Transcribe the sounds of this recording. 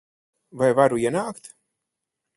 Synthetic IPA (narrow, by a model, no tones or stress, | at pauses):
vajvaɾuiɛnaːkt̪